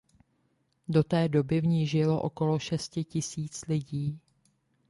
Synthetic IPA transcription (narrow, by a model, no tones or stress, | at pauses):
do̞t̪ɛːdo̞bɪvɲiːʒɪlo̞ʔo̞̰ko̞lo̞ʃɛscɪcɪsiːt͡slɪɟiː